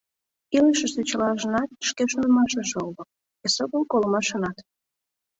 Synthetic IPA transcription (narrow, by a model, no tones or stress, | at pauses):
iləʃĕʃt̪et͡ɕəlɑʒə̆nɑt̪̚ʃkeʃonəmɑʃə̆ʒeolək̚ | esoɣənkolmɑʃə̆nɑt̪